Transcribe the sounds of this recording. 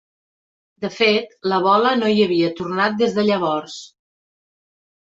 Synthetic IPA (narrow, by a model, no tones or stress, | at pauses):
d̪əfet̪ləβ̞ɔlənoiəβiət̪urnat̪̚d̪ezðəʎəβ̞ɔrs